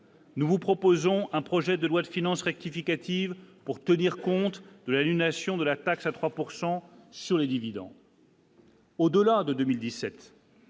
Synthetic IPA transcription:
nuvupχɔpozɔ̃ʔɛ̃pχɔʒɛd̪əlwad̪əfinɑ̃sʁɛk̚t̪ifikʲat̪ivpuʁt̪əniʁkɔ̃t̪d̪əlanynasjɔ̃d̪əlat̪aksat̪χwapuʁsɑ̃syʁled̪ivid̪ɑ̰̃ | od̪əlad̪əd̪ømild̪isɛt̪

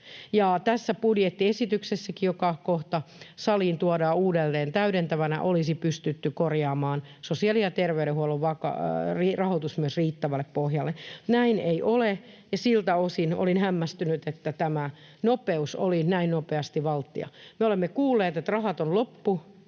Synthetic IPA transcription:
jɑt̪æsːæpudjet̪ːiesit̪yksesːækijokɑkoht̪ɑsɑliːnt̪uɑdɑːuːdelːeːnt̪æyɾent̪æʋænæ̰ʔolisipyst̪yt̪ːykorjɑːmɑːnsosiɑlijɑt̪erʋeyɾehuoluʋʋɑkɑ̰rirɑhot̪usmyøsriːt̪ːæʋælːˑeppohjɑlːenæineiʔole | jɑsilt̪æosino̰linhæmːæst̪ynyt̪et̪ːæt̪æmæ | nopeuso̰linæinnopeɑst̪iʋɑlt̪ːḭɑ̰meolemːekuːlːeːt̪et̪rɑhɑt̪onlopːu

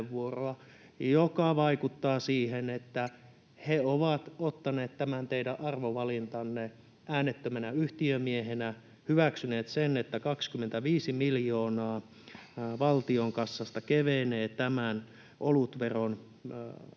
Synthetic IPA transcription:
ʋʋuoroɑ | jokɑʋɑikut̪ːɑːsiːhenet̪ːæ | heoʋɑt̪ot̪ːɑneːt̪t̪æmænt̪eidæʔʔɑrʋoʋɑlint̪ɑnːe | ʔæːnet̪ːømænæyht̪iømiehenæ | hyʋæksyneːt̪senet̪ːækɑkskymːent̪æʋiːsimiljoːnɑː | ʋɑlt̪ioŋkɑsːɑst̪ɑkeʋeneːt̪æmæn | ʔolut̪ʋeron

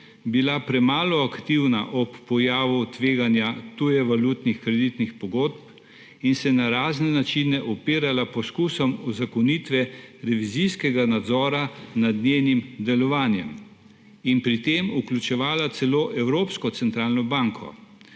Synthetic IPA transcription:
bilapɾɛmaːlɔakt̪iwna̰ʔɔpːɔjaːʋut̪ʋeːɡanjat̪ujɛʋalut̪nixkɾɛd̪it̪nixpɔɡoːt̪p | insɛnaɾaːznɛnat͡ʃinɛʔɔpiːɾalapɔskusɔmuzakɔnit̪ʋɛɾɛʋizijskɛɡanad̪zɔːɾanad̪nenimd̪ɛlɔʋaːnjɛm | inpɾit̪eːmuklʲut͡ʃɛʋaːlat̪sɛloːʔɛwɾoːpskɔt̪sɛnt̪ɾaːlnɔbaŋkʰɔ̰

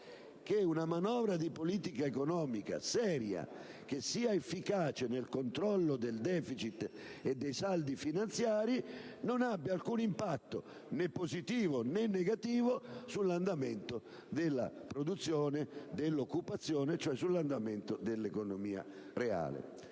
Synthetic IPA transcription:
k̟eunamanɔːvɾad̪ipoliːt̪ikaekonɔːmika̰sɛːɾja̰k̟esːiːaefːikaːt͡ʃenelkont̪ɾɔlːod̪eld̪ɛːfit͡ʃit̪ː | ed̪ːejsald̪ifinant̪sjaːɾinonabːɪalkunimpat̪ːo̰ | nepːozit̪iːvonenːeɡat̪iːvosulːand̪ament̪o | d̪elːa̰pɾod̪ut̪sːjɔːned̪elːokːupat̪sːjɔːnet͡ʃoɛsulːand̪ament̪od̪elːekonomiːa̰ | rea̰ːlḛ

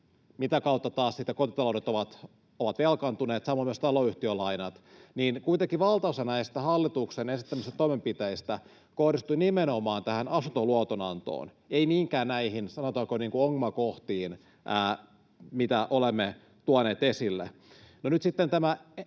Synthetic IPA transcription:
mit̪ækɑut̪ːɑt̪ɑːssit̪ːækot̪it̪ɑloɾet̪oʋɑt̪ | oʋɑt̪ʋelkɑnt̪uneːt̪sɑmːomyøst̪ɑloyht̪iølɑinɑt̪niːnkuit̪eŋkiʋɑlt̪ɑusenɑesit̪ːæhɑlːit̪uksenensit̪ːæmist̪æt̪oimempit̪eist̪æ | kohdist̪uinimenomɑːnt̪æhænɑsunt̪oluɑt̪onɑ̰nt̪o̰ːn | einiːŋkæːnnæihinsɑnot̪ɑːkoniːŋkuoŋmɑkoht̪iːn | ʔæː | mit̪æʔolemːe | t̪uɑneːt̪esilːḛ | nonyt̪sit̪ːent̪æmæ

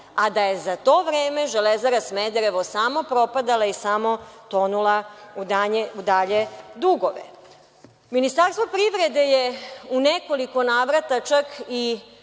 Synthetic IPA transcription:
ad̪aje̞zat̪o̞ʋɾeːme̞ʒelezaɾasmed̪eɾeʋosamo̞pɾo̞pad̪alaisamo̞t̪o̞nulaud̪aɲeud̪aʎed̪uɡoʋḛ | minist̪aɾst̪ʋo̞pɾiʋɾed̪e̞jeuneko̞liko̞naːʋɾat̪at͡ʃaki

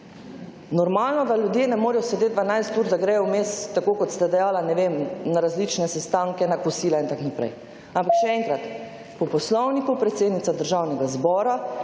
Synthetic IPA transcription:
nɔɾmaːlnɔd̪alʲjud̪jenɛmoːɾɛjɔsɛd̪et̪d̪̚d̪ʋanajst̪uːɾd̪aɡɾɛjɔwmest̪ːakoːkɔt̪st̪ad̪ɛjaːlanɛʋemnaɾazlit͡ʃnɛsɛst̪aŋkɛnakusiːlaint̪aknapɾɛ̰j | ampakʃɛɛŋkɾat̪ | pɔpɔslɔwnikupɾɛt̪seːd̪nit̪sad̪əɾʒawnɛɡazbɔːɾa

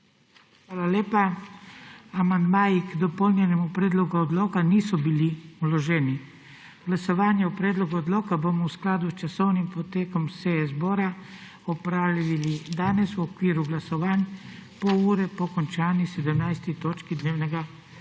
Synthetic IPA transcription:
xʋaːlaleːpa | amand̪maːjikd̪ɔpɔlnjɛnɛmupɾɛːd̪lɔɡuɔd̪loːkaniːsɔbiliulɔʒɛːni | ɡ̥lasɔʋaːnjaupɾɛːd̪lɔɡuɔd̪loːkabomɔwsklaːd̪ust͡ʃasɔwnimpɔt̪eːkɔmsezboːɾa | ɔpɾaːliʋilid̪aːnɛsuɔkʋiːɾuɡlasɔʋaːnpɔuːɾɛpɔkɔnt͡ʃaːnisɛd̪əmnajst̪it̪oːt͡ʃkid̪neːwnɛɡa

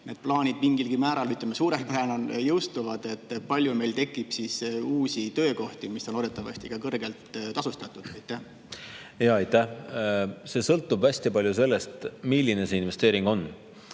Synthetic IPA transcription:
ne̞d̪̥̚plɑːnʲid̪̚miŋɡilɡimæːɾɑlyt̪lemesuːɾempeænonjɤwst̪uvɑd̪̥e̞t̪ːpɑlʲjume̞jlt̪e̞kːˑib̥sisuːsʲit̪ø̞ːko̞ht̪imisːono̞d̪et̪ːˑɑvɑ̰st̪ikɑkɤrɡe̞lt̪t̪ɑsust̪ɑt̪ːˑud̪̥ɑjt̪ːˑæh | jɑɑjt̪ːæh | se̞ːsɤlt̪ːˑubvæsʲt̪jɑpɑlʲjuse̞lːest̪milʲːine̞se̞inve̞st̪eːɾiŋɡ̥o̞n

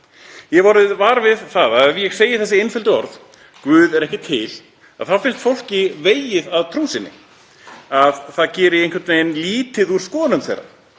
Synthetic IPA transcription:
jɛvɔɾɪðvaːɾvɪðθaðaɛvjɛɣseːjɪθɛs̬ɪejnfɪlt̪ʏɔɾð | kvʏːðɛɾɛhcɪt̪ʰɪl | a̰ðθawfɪnst̪fowl̥cɪveːjɪðaðt̪ʰɾuːsɪnːɪ̰ | aðθaðcɛːɾɪejnkvɛɾt̪nejnliːt̪ɪðuɾ̥skɔːnʏmθḛjɾa̰

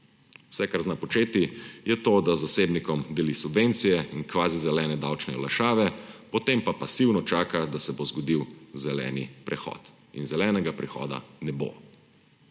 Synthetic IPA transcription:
wsɛkaɾznapɔt͡ʃeːt̪ijɛt̪oːd̪azaseːbnikɔmd̪ɛlisubʋent̪sijɛinkʋaːzizɛlɛːnɛd̪awt͡ʃnɛ̰ɔ̰laʃaːʋɛpɔt̪empapasiwnɔt͡ʃaːkad̪asɛbozɡɔd̪iwzɛlɛ̰ːnḭpɾɛxɔ̰ːt̪ | ḭnzɛlɛːnɛɡapɾɛxɔ̰ːd̪a̰nɛbo̰

